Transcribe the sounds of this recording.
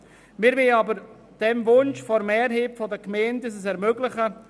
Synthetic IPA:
mɪɾʋɪlɑbəɾ | d̥ɛmvʊnʃfɔɾmɛːɾɦepfɔdəkmɛːndəs̬əsɛɾmøɡlɪχə

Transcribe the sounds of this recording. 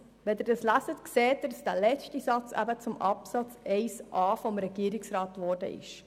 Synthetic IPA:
ʋɛd̪əɾdɑslæsətkseːt̚dsd̥ælɛt͡ʃtisɑt͡sæ̰bət͡sʊmɑpsɑt͡sɛɪsʔɑːfɔmɾɛɡ̥iːəɾɪksɾɑːtʋɔrdə̰ʔɪ̰ʃ

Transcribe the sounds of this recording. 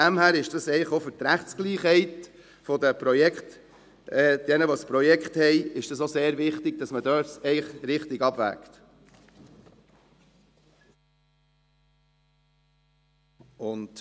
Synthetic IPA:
æmhæːɾɪʃd̥ɑsɛɪəχofʏt̪ɾæχtt͡sɡ̥liːχhɛɪt | fɔdəpɾɔjɛkχt | ɛːd̥ɛnəʋospɾɔjɛkχthɛɪɪʃd̥ɑsoseːɾvɪχtɪɡ̥̚dɑsmədœːsɛɪχɾɪχtɪɡɑb̥væ̰kt | ʊnd̥

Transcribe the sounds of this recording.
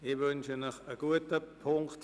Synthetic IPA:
ɪvønʃənəχəɡ̥uətəpʰʊŋkt

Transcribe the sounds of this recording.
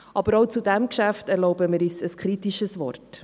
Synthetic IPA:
ʔɑb̥əɾoʊt͡sudɛmkʃæftɛɾlɔʊbəmɪɾiːsəskχɾitiʃəsvɔ̰rt

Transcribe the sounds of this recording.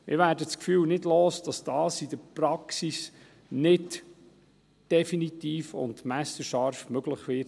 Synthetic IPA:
mɪ̰ɾʋæːɾdət͡skfyːwnɪdloːsd̥ɑsd̥ɑːsid̥əɾprɑksis | nɪd | d̥ɛfinit̪iːfʊ̰ndmæsəʃɑɾfmøɡləχʋɪ

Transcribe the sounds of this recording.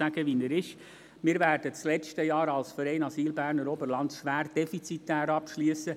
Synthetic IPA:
æɡ̥əʋinəɾɪʃ | mɪːɾvæːɾd̥ət͡slɛt͡ʃtəjɑːɾɑlsfəɾɛɪnɑsiːlbæːrnəɾɔbəɾlɑntʃʋæːɾd̥ɛfit͡sit̪æːɾɑpʃlyəsə

